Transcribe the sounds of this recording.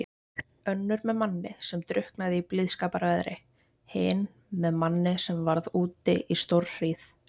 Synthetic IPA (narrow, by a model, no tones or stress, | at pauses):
œnːʏɾmɛðmanːɪsɛmt̪ɾʏhknaðɪiplɪðskaːpaɾvɛðɾɪ | hɪn | mɛðmanːɪsɛmvaɾðuːt̪ɪʔist̪owr̥r̥iːθ